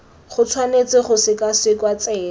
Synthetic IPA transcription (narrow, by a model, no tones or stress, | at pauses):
χʊt͡sʰwanet͡sɪχʊsɪkasɪkwat͡sɛː